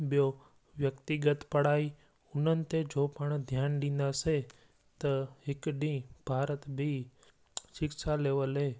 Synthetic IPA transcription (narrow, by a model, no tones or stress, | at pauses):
ɓijo | ʋjəkt̪ɪɡət̪pɐɽaːi | ʊnənɪ̆t̪ed͡ʒoːpəɽ̃d̪ʱjaːnɖĩːn̆d̪ase | t̪ɐɦɪkɗĩːb̥ʱaːɾət̪bʱi | ʃɪksaleːʋəlɦeː